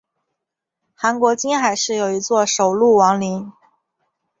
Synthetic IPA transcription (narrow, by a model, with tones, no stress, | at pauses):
xa˧˥nkwɔ˧˥t͡ɕi˥nxa˨˩ɪʂɻ̩˥˩jo˨˩ʊi˧˥t͡swɔ˥˩ʂo˨˩ʊlu˥˩wɑ˧˥ŋli˧˥n